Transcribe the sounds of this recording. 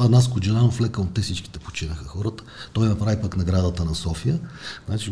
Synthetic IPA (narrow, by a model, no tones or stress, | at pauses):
ɐd̪naskod͡ʒɛnanoflɛkət̪ːɛfsit͡ʃki̥t̪ɛpo̥t͡ʃinəxəxɔɾət̪ə̥t̪ɔjnɐpɾavipəknɐɡɾad̪ət̪ənɐsɔfijəznat͡ʃi